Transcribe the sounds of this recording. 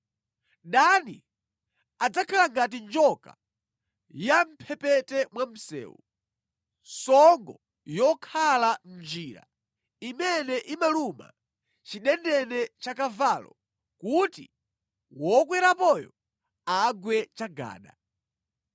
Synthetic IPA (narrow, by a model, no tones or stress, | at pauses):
ɗanḭ | ad͡zakʰalaŋɡat̬ind͡ʒɔka | jam̩pʰɛpɛtɛmwam̩sɛ̰ːwu | sɔŋɡɔ | jɔkʰalam̩d͡ʒiːɾa̰ | imɛnɛʔimaluma̰ | t͡ʃiɗɛndɛnɛt͡ʃakavaːlɔ̰ | kutḭ | wɔk̬wɛɾapɔjɔ | aɡwɛt͡ʃaɡa̰ːɗa